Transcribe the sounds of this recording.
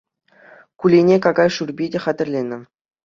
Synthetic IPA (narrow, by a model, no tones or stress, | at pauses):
kulʲenʲekɑɡɑjʂurbʲidʲĕχɑd̪ʲɘ̆rʲlʲenʲɘ̆